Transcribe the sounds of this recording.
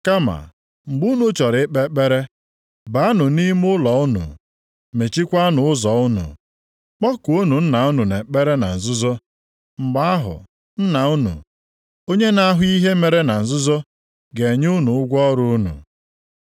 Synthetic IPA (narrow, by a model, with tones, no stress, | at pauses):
ka˦ma̰˨ | ŋ͡m̩˨ɡ͡bu˦nu˨˦t͡ʃɔ˨ɾɪ˨˦k͡pe˦k͡pe˦ɾe˦ | ba˨˦a˦nʊ˨ni˦m˦ʊ˦lɔ˨ʊ˦nṵ˨ | me˨t͡ʃi˦kʷa˦nʊ˨ʊ˦zɔ˨ʊ˦nṵ˨ | k͡pɔ˦kʊ˨o˦nu˨n̩˦na˨ʊ˦nu˨ne˨k͡pe˦ɾe˦na̰˨n̩˨zʊ˦zɔ˦ | ŋ͡m̩˨ɡ͡ba˦a˦ɦʊ̰˨ | n̩˦na˨ʊ˦nṵ˨ | o˦ɲe˦na˦a˦ɦʊ˦i˦ɦe˦me˨ɾe˦na˨n̩˨zʊ˦zo˦ | ɡe˨ɲ˦ʊ˦nu˨ʊ˦ɡʷɔ˦ɾʊ˦nṵ˨